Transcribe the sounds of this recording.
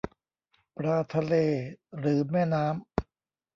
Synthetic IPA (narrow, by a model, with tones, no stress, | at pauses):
pɾaː˧t̪ʰa˧leː˧ɾɯː˩˦mɛː˥˩naː˦˥m